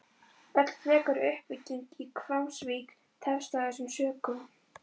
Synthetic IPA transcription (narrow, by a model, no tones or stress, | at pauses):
œt̪l̥t̪vɛːkaɾʏhpɪcːiŋkikʰvawmsviːk | t̪ʰɛlst̪aːðɪsʏmsœːkʏ